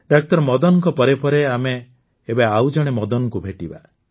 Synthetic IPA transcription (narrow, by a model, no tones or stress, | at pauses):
ɖak̚t̪ɔɾmɔd̪ɔnɔŋkɔpɔɾepɔɾeameː | baawd͡ʒɔɽ̃emɔd̪ɔnɔkubʱeʈiba